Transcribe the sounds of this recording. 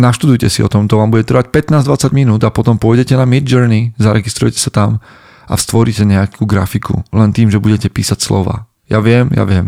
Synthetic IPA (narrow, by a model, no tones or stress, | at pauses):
naʃt̪ud̪ujcɛsiɔ̰t̪ɔmt̪ɔʋaːmbuɟɛt̪r̩ʋac̚pɛt̪naːzd̪ʋat͡saɟminuːd̪apɔt̪ɔmpɔjɟɛcɛnamid̪d͡ʒəɾnizaɾɛɡist̪ɾujɛcɛ̥sat̪am | a̰fst̪ʋɔɾicɛɲɛakʰuːɡɾafikṵlɛnt̪iːmʒɛbuɟɛcɛpḭːsacslɔ̰ʋa̰ː | ja̰ʋɪɛmja̰ʋɪɛm